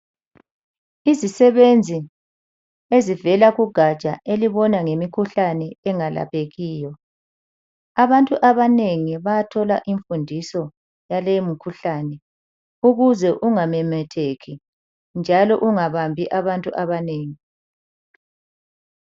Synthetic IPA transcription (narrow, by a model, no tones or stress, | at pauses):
izisɛβend͡zʱi | ezivɛlaɣuɡ̥ʱḁt͡ʃʼaeliβɔnaŋemikʰuɬanɛɛŋala̰pʰeɣiːjɔ | aβantʼuʔaβaneŋiβajatʰɔlaʔiɱfundʱisɔ | jalemikʰuɬanɛ | uɣuzɛʔuŋamɛmɛtʰekʰi | nd͡ʒʱalɔʔuŋaβambʱiʔaβantʼṵʔaβaneːŋi